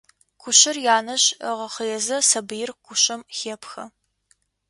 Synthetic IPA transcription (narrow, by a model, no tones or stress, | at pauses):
qʷʰʊɕɪrjaːnɐɕəʁɐχəjɛzɐsɐbɨjɪrqʷʰʊɕʼɐmxeːpxɐ